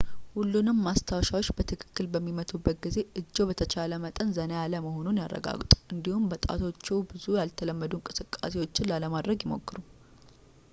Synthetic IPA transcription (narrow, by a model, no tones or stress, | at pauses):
hulːunɨmːast̪ʰawʃawo̞t͡ʃːbət̪ʰɨkʰɨ̥kːɨlbəmːimət̪ʰubːət̪̚ɡize̞ʔɨd͡ʒːo̞bət̪ʰət͡ʃaləmət̪ʼənzənəjaləməho̞nunjarːə̰ɡa̰ɡt̪ʼu̥ʔɨnd̪ihumbət̪ʼa̰t̪ʰo̞t͡ʃːɛwbɨzujalt̪ʰələmːəd̪uŋkʼɨsɨkʼːa̰se̞wo̞t͡ʃːɪnlaləmad̪ɾəɡjɪmo̞̰kːɨɾu